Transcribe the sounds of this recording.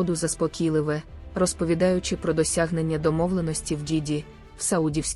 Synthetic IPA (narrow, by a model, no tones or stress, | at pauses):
d̪ʊzɐspɔkʲilˠɪʋɛrɔspɔʋʲid̪ɑjʊt͡ʃɪpɾɔd̪ɔsʲaɦne̞nʲːɐd̪ɔmɔʋlˠenɔsʲtʲiwdʲidʲi | wsɐudʲiwsʲ